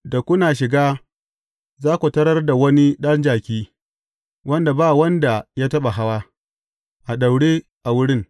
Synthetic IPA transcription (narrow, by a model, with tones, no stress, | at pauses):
da˨kʷʊ˦naː˨ʃɪ˨ɡaː˦ | zaː˦kʷu˨tɐ˦ɾɐ˦rda˨wɐ˦ni˦ɗɐ˦nd͡ʒaː˨kʲiː˦ | wʔɐ˦nda˨baː˦˨wɐ˦nda˨jaː˦tɐ˦ɓa˨ɦa˦waː˦ | ʔa˨ɗa˨wɽeː˦ | ʔa˨wʊ˦ɽɪ˦ŋ